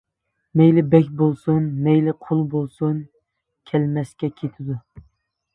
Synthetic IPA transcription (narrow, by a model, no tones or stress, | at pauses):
mejlɪbɛkʲbolˠsunmɛjlɪqʰʊlˠbolˠsun | kʲʰɛlmɛskʲɛkʲʰet̪ʰɪd̪ʊ